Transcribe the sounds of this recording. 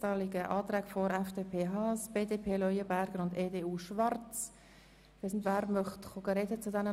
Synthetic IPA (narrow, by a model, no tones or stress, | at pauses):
tɑːlɪɡəʔɑːtɾæːɡ̥fɔɾɛfd̥eːpʰeːɦɑːsb̥eːdeːpʰeːlɔjəbæɾɡ̥əɾʊndeːdeːuːʃvɑɾt͡s | ɛsn̩tvæːɾmœχtχoɡəɾɛdət͡sʊdɛnə